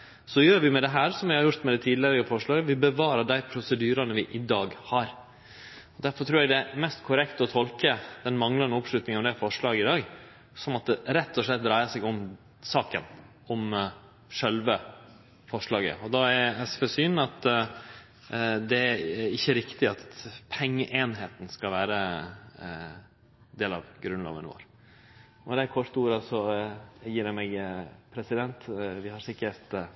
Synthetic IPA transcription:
sɔjøːɾʋɪmɛd̪ɛɦæːɾsɔmʋɪhɑɾjʊɾt̪mɛd̪ɛt̪ʰiːd̪lɪəɾɪəfɔʂɭɑːɡəʋɪbəʋɑːɾɑɖæɪpʰɾʊsəd̪yːɾɑnəʋɪʔɪd̪ɑːɡhɑɾ | ɔd̪æɾfɔʈ̪t̪ʰɾuːɾɛɡd̪ɛmɛst̪kʰʊɾɛkt̪ɔt̪ʰɔlkəd̪̥ɛnmɑŋlɑnəɔpʂɭʉt̪nɪŋənmd̪ɛfɔʂɭɑːɡəɪd̪ɑːɡ | sɔmɑt̪̚d̪ɛɾɛt̪ːɔʂɭɛt̪̚ːd̪ɾæɪəsɛɡɔm | sɑːkə̰n | ɔm | ʂɛlʋə | fɔʂɭɑːɡə̰ɔd̪ɑæɾæsfɔsyːnɑt̪ | d̪ɛæɾɪçːəɾɪkt̪ɪɑt̪pʰɛŋːəʔeːnɦeːt̪n̩skɑlʋæːɾə | d̪eːlɑʋɡɾʉnlɑ̰ːʋə̰nʋo̰ːɾ | ɔd̪ɛkʰɔʂt̪uːɾɑsɔjiːɾjæmɛɡpʰɾɛsɪd̪ɛnt̪ʋɪhɑɾsɪkəɾt̪

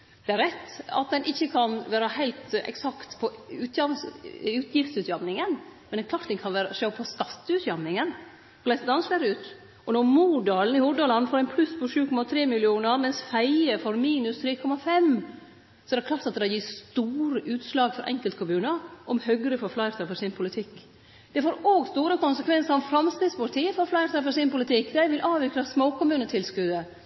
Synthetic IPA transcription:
d̪̥ɛæɾɛt̪ːɑ̰t̪̚d̪ɛnʔɪçːəkʰɑnʋæːɾɑhæɪlt̪ɛ̰ksɑkt̪pʰɔʉt̪jɑmsʉːt̪ʰjɪft̪sʉːt̪jɑmnɪŋənmɛnɛkʰlɑːɾʈ̪d̪ɛnkʰɑnʋæːɾəʂøːpʰɔskɑt̪ːʉːt̪jɑmnɪŋən | ɔlæɪsəd̪ɑnslæɾʉːt̪ | ʔɔnɔmuːɖɑːln̩ɪhʊɖ̪ɑlɑnfɔːɾæɪnpʰlʉspʰɔʂʉːkʰɔmɑt̪ʰɾeːmɪlɪuːnəɾmɛnshæɪəfɔɾmiːnʉst̪ʰɾeːkʰɔmɑfɛm | sɔɛɾɛkʰlɑːʈt̪ɑt̪̚d̪ɛjiːst̪uːɾəʔʉːt̪slɑːɡfɔɾʔɛ̰ŋkəlt̪kʰʊmʉːnəɾʔɔmhœɡɾəfɔɾflɑɪɾt̪ʰɑfɔsɪnpʰʊlɪt̪ʰɪkː | d̪̥ɛfoːɾoːɡst̪uːɾəkʊnsəkʰʋɛnsəɾɔmfɾɑmst̪ɪspɑʈʰiːəfɔɾflɑɪɾt̪ɑfəsɪnpʊlɪt̪ʰɪkːd̪æɪʋɪlʔɑːʋɪkɾɑsmoːkʊmʉːnət̪ʰɪlskʉd̪ə

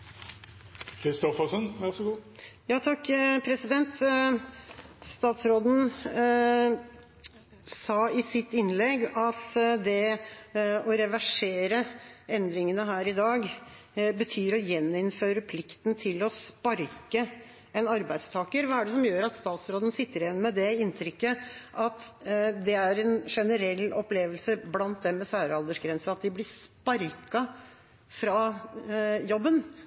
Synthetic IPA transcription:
kʰɾɪst̪ɔfɑsənæsɔɡuːjɑːt̪ʰɑkːpʰɾɛsɪd̪ɛnt̪ | st̪ɑːt̪sɾoːd̪n̩ | sɑːɪsɪt̪ːɪnlɛɡɑt̪d̪ɛ | ɔɾɛʋæʂeːɾəɛnd̪ɾɪŋənəɦæːɾɪd̪ɑːɡ | bət̪ʰyːɾɔjɛnːɪnføːɾəpʰlɪkt̪nt̪ʰɪlɔspɑɾkə | ɛnɑɾbæɪd̪st̪ʰɑːkəɾʋɑːæɖɛsɔmjøːɾɑt̪st̪ɑːt̪sɾoːd̪ən̩sɪt̪ːəɾɪjɛnːmɛd̪ɛɪnt̪ʰɾʏkːəʔɑt̪d̪ɛæɾɛnʂɛnəɾɛlːɔpleːʋəlsəblɑnt̪̚d̪ɛmɛsæːɾɑld̪əʂɡɾɛnsəɑt̪̚d̪ɪblɪspɑɾkɑ | fɾɑ | jɔbːən

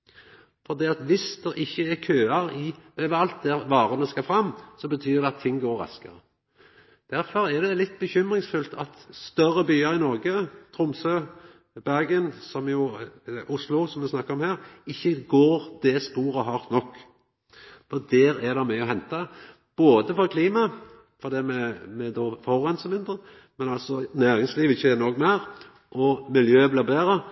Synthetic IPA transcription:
fɔʁd̪iːɑt̪ʋɪsd̪̥ɛɾʔɪçːəɛkʰøːɑɾɪøːʋəɑlt̪̚d̪ɛʋɑːɾənəskɑfɾɑmːsɔbət̪ʰyːd̪ɛɑt̪ʰːɪŋːɡoːɾːɑ̰skə̰ʁə | d̪̥æɾfɔɾɛæd̪ɛlɪt̪̚ːbəçʏmʁɪŋsfʉlt̪ʰɑt̪st̪œɾəbyːəɾɪnɔɾɡət̪ʰɾʊmsøː | bæʁɡənsɔmjʊʔʊslʊsɔmʋɛsnɑkːəɾɔmhæːɾɪçːəɡoːɾd̪̥ɛspuːɾəɦɑɾt̪nɔkː | fɔd̪ɛɾæd̪ɑmɛɔhɛnt̪ɑ | b̥oːd̪əfɔɾkʰliːmɑ | fɔʁd̪iːmɛmɛd̪ɔːfɔɾɛnsəmɪnd̪ʁə | mɛnɑlt̪sɔnæːɾɪŋsliːʋɪçːənɔɡmæɾ | ʔɔmɪljøːbliːbeːɾə

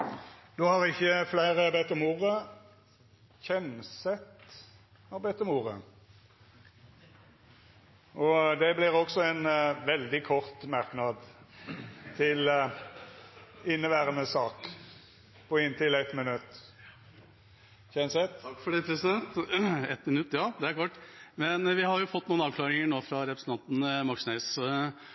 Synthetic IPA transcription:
d̪ohɑʁɪçːəflæɪʁəbɛt̪ːɔmuːʁə | çɛnsɛt̪ | ɑbɛt̪ːɔmuːʁə̰ | ʔɔd̪ɛblɪʁɔɡsɔɛnʋɛld̪ɪkʰɔʁt̪mɑʁknɑd̪ | t̪ʰɪl | ɪnːəʋæːɾənəsɑːk | pʰɔɪnt̪ʰɪlɛt̪mɪnʉt̪ː | çɛnsɛt̪kːfɔɖɛt̪ʰɾəsɛnt̪ɛt̪mɪnʉt̪ːjɑːd̪ɛæɾkɑʈːmɛnʋɪhɑɾjʊfɔt̪ːnuːnɑːʋkʰlɑːɾɪŋəɳoːfɾɑɾɛpɾəsn̩t̪ɑnt̪n̩mɑksnes

